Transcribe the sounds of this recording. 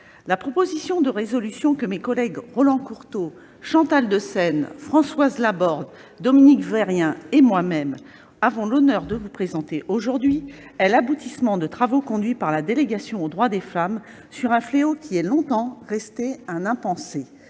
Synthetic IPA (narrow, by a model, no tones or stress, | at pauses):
lapχɔpozisjɔ̃d̪əʁezɔlysjɔ̃kəmekɔlɛɡʁɔlɑ̃kuʁt̪o | ʃɑ̃t̪ald̪əsɛnfχɑ̃swazlabɔʁd̪ | d̪ɔminikvɛʁjɛ̃emwamɛm | avɔ̃lɔnœʁd̪əvupχezɑ̃t̪eʔoʒuʁd̪ɥiɛlabut̪ismɑ̃d̪ət̪χavokɔ̃d̪ɥipaʁlad̪eleɡasjɔ̃od̪ʁwad̪efam | syʁɛ̃fleokʲiɛlɔ̃t̪ɑ̃ʁɛst̪eɛ̃nɛ̃pɑ̃se